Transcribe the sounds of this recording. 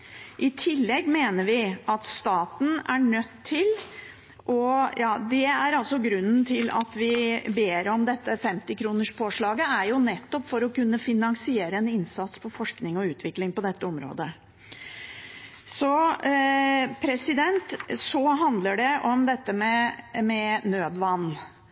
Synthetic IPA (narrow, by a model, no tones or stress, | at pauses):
ʔɪt̪ʰɪlːɛɡːmeːnəɾʋɪʔɑt̪st̪ɑːt̪n̩æɳœt̪ʰːɪl | ʔɔjɑːd̪ɛæɾɑlsɔɡɾʉnːn̩t̪ʰɪlɑ̰t̪ʋɪbeːɾɔmd̪ɛt̪ːəfɛmt̪ɪkʰɾuːnəʂpʰoːʂɭɑːɡəæɾjʊnɛt̪ːɔpːfɔɾɔkʉnːəfɪnɑŋsɪeːɾəɛnɪnsɑt̪spʰɔfɔʂknɪŋɔʉːt̪ʰʋɪklɪŋpɔd̪ɛt̪ːəɔmɾo̰ːd̪ə | sɔ | pʰɾɛsɪd̪ɛnt̪sɔɦɑnd̪ləɖɛʔɔmd̪ɛt̪ːəmɛmɛnøːd̪ʋɑnː